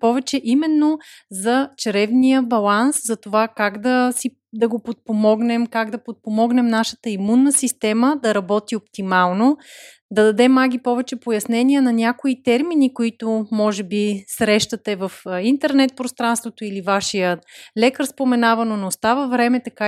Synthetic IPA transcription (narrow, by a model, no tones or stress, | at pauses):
pɔvɛt͡ʃɛʔimɛnːo | zɐt͡ʃɐɾɛvnijəbɐlˠanszɐt̪ovakaɡd̪ɐsi | d̪ɐɡopot̪̚pomɔɡnɛmkaɡd̪ɐpot̪̚pomɔɡnɛmnaʃə̥t̪əimunːəsist̪ɛməd̪ɐɾɐbɔt̪iopt̪imalˠno | d̪ɐd̪ɐd̪ɛmaɡʲipɔvɛt͡ʃɛpojɐsnɛniɛnɐnʲakoit̪ɛɾminikoit̪omɔʒɛbisɾɛʃt̪ɐt̪ɛvɐfint̪ɛɾnɛt̪̚pɾost̪ɾanst̪vot̪oilivaʃijəlɛkəɾspomɛnavɐnonost̪avəvɾɛmɛt̪ɐka